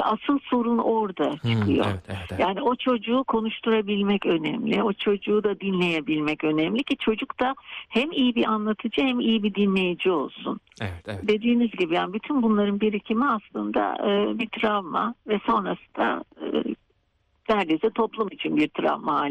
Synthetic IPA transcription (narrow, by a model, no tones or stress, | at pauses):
a̰sɯlˠsuɾuno̞ɾd̪at͡ʃʰɯkʰɯjo̞̰jaːnio̞t͡ʃʰo̞d͡ʒuːkʰo̞nuʃt̪ʰuɾabilʲmɛcø̞nɛmlʲio̞t͡ʃʰo̞d͡ʒuːd̪ad̪inlʲe̞jebilʲmɛcø̞nɛmlʲicʰit͡ʃʰo̞d͡ʒukt̪ahɛmijibiʔanlˠat̪ʰɯd͡ʒɯhɛmijibid̪inlʲe̞jid͡ʒio̞̰lˠsṵn | d̪e̞d̪iːnyzɟibijaːnibyt̪ʰynbunlˠaɾɯnbiɾicʰimiaslˠɯnd̪a̰ɯːbit̪ʰɾavma̰vɛso̞nɾasɯd̪a̰ɯ | næɾd̪esɛt̪ʰo̞plˠumit͡ʃʰinbiɾt̪ʰɾa̰vmaa